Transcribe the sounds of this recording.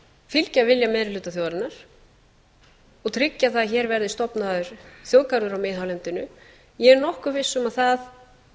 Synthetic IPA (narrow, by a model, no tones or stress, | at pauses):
fɪlcavɪljamɛːɾɪlʏːt̪aθjoːwðɾɪnaɾ̥ | ɔɣt̪ʰɾɪcːaθaðçɛːɾvɛɾðɪst̪ɔpnaðʏɾ̥θjoːwkaɾðʏɾawmɪːðɦawlɛnt̪ɪnʏ | jɛɛɾnɔhkʏvɪsːʏmaðθað